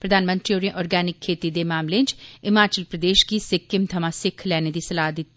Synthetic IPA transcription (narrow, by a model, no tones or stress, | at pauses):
pɾəd̪ʱaːnmə̃nt̪ɾioːɾĩʔɔːɾɡɛːnɪkʰːeːt̪id̪emaːmlẽːt͡ʃɪmaːt͡ʃəlpɾəd̪eːʃkisɪkːɪmt̪ʰəmãsɪkʰːlɛːned̪iːsɐlaːd̪ɪt̪ː